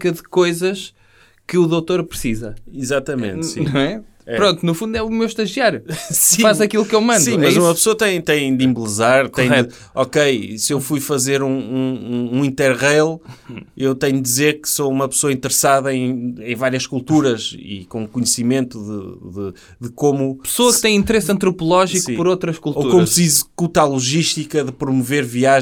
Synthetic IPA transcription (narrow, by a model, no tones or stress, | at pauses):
kɐðɨkojzɐʃ | kɨuðowt̪oɾpɾɨsizɐizat̪ɐmḛ̃nsḭ̃ñɐ̃w̃ɛ | ɛpɾõnt̪unufũnd̪ɛumewʃt̪ɐʒjiaɾusĩfazɐkilˠukewmɐ̃ndsĩũmɐzumɐpsoɐt̪ɐ̃j̃t̪ɐ̃j̃d̪ĩmblˠɨzaɾt̪ɐ̃j̃ɛd̪ | ɔkejsewfujfɐzeɾũũũĩnt̪ɛɾʁejlˠewt̪ẽɲd̪izeɾkɨ̥soumɐpɨ̥soɐĩnt̪ɨɾɨsaðɐẽj̃ẽj̃vaɾjiɐʃkulˠt̪uɾɐʃḭkõukuɲsimẽnt̪uðɨ̰ðɨ | ðɨkomupɨ̥soɐk̚t̪ẽj̃ĩnt̪ɨɾesɐ̃nt̪ɾupulˠɔʒikuĩpɔɾowt̪ɾɐʃkulˠtoukõmɐsizɨkut̪alˠuʒiʃt̪ikɐðɨpɾumuveɾviaʒ